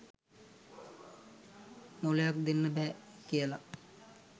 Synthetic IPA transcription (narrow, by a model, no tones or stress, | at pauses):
molejak̚d̪enːəbɛːkijəla